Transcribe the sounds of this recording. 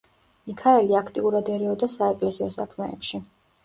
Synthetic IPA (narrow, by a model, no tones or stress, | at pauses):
mikʰaɛliakʰt̪ʼiuɾad̪ɛɾɛɔd̪asaɛkʼlɛziɔsakʰmɛɛpʃi